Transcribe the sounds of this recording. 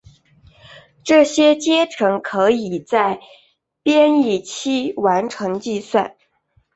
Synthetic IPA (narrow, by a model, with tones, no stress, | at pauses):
ʈ͡ʂɤ˥˩ɕjɛ˥t͡ɕjɛ˥ʈ͡ʂʰɤ˧˥ŋkʰɤ˧˥i˨˩t͡sa˥˩ɪ | pjɛ˥ni˥˩t͡ɕʰi˥wa˧˥nʈ͡ʂʰɤ˧˥ŋt͡ɕi˥˧swa̰˥˩n